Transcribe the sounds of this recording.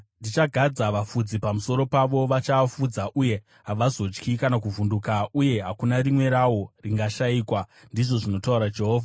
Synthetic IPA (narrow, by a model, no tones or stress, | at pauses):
ndit͡ʃaɡʱad͡zaʋafud͡zipamuso̞ɾo̞paʋo̞ʋat͡ʃafud͡zaʔuje̞ | ɦaʋazo̞t͡ʃkikanakuvundukauje̞ɦakunarimwe̞ɾawo̞riŋɡaʃaiːkwa | ndiʐo̞ʐino̞tauɾad͡ʒe̞ɦoːvʱa